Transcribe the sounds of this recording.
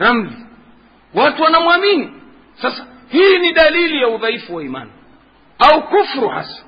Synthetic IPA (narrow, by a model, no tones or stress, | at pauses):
ɾam̩vi | watuwanamwamini | sasḁ | hiːniɗalilijauðaifuwaima̰na | aukufɾuha̰sḁ